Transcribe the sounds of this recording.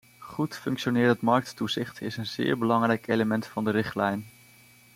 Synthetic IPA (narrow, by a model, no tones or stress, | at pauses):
χutfɵŋkʃonɪːɹətmɑɹk̚tːuzɪχtʰɪsənzɪ̰ːɹbəlɑŋrɛjkejləmɛntfɑndəɾɪχtlɛjn